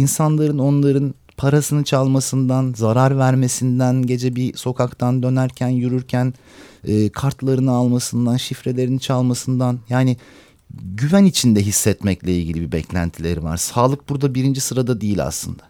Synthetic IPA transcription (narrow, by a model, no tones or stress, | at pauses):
insanlˠaɾɯno̞nlˠaɾɯn | pʰaɾasɯnɯt͡ʃʰalˠmasɯnd̪anzaɾaɾvæɾme̞sind̪ænɟe̞d͡ʒɛbiso̞kʰakt̪ʰand̪ø̞næɾcʰænjyɾyɾcʰæn | ɛːkʰaɾt̪lˠaɾɯnɯalˠmasɯnd̪anʃifɾe̞lʲe̞ɾinit͡ʃʰalˠmasɯnd̪anjaːni | ɟyvænit͡ʃʰind̪ɛɦisːɛt̪mɛclʲɛilʲɟilʲibibɛcʰlʲæ̰nt̪ʰilʲe̞ɾiva̰ɾsaːlˠɯk̚buɾd̪abiɾind͡ʒisɯɾad̪ad̪ijilʲa̰slˠɯ̰nd̪̥a